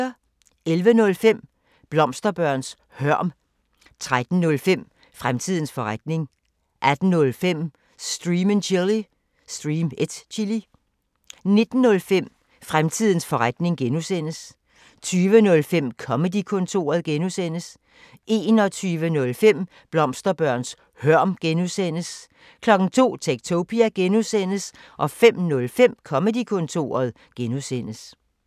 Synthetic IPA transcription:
ɐ | elʋənɔ̽lfem̰ | b̥lɒ̽m̰sd̥ɐb̥ɶɐ̰ns | hœɐ̰m | t͡sʰʁad̥n̩nɔ̽lfem̰ | fʁamt͡sʰið̰ˠn̩sfɒ̽ʁad̥ne̝ŋ | ʔæd̥n̩ːɔ̽lfem̰ | sd̥ʁiːmənɕʰili | sd̥ʁiːmed̥t͡ɕʰili | ne̝d̥n̩ːɔ̽lfem̰ | fʁamt͡sʰið̞̰ˠn̩sfɒ̽ʁad̥ne̝ŋɡ̥enusen̰əs | t͡sʰyːʋənɔ̽lfem̰kʰɒ̽mədikʰɔ̽nt͡sʰo̝̰ːɐðˠɡ̥enusen̰əs | ʔe̝ːnɒ̽t͡sʰyːʋənɔ̽lfem̰ | b̥lɒ̽msd̥ɐb̥ɶɐ̰ns | hɶɐ̰mɡ̥enusen̰əs | kʰlɒ̽ɡ̥n̩t͡sʰo̝̰ːt͡sʰeɡ̥̚t͡sʰopʰiæɡ̥enusen̰əsʔɒ̽fem̰nɔ̽lfem̰kʰɒ̽məd̥ikʰɔ̽nt͡sʰo̝̰ːɐðˠ | ɡ̥enusen̰əs

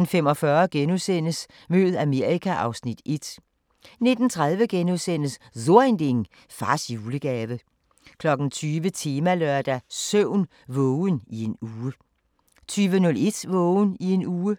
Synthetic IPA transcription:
n̩femɒ̽fɶɐɡ̥enusen̰əs | møð̩ˠæme̝ɐ̰ikʰæʔɑ̈ʊsnid̥e̝d̥ | ne̝d̥n̩t͡sʰʁað̞ˠʋəɡ̥enuðˠsen̰əsðo̝ɐend̥e̝ŋ | fʁɑ̈sjuːləɡ̥ɛːʋə | kʰlɒ̽ɡ̥n̩t͡sʰyːʋət͡sʰe̝ːmæløɐd̥æsøʊ̰n | ʋɔʊnie̝nuːə | t͡sʰyːʋənɔ̽le̝d̥ʋɔʊnie̝nuːə

